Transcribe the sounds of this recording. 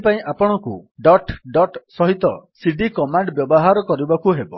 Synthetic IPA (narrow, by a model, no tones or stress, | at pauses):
paĩʔapɔɽ̃ɔkṵɖɔʈɖɔʈsɔɦit̪ɔsiɖikɔmaɳɖbjɔbɔɦaɾɔkɔɾibakuɦebɔ̰